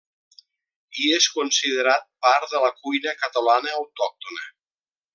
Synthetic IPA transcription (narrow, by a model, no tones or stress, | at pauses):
ieskunsiðəɾat̪̚paɾðələkujnəkət̪əlanəːwt̪ɔk̚t̪unə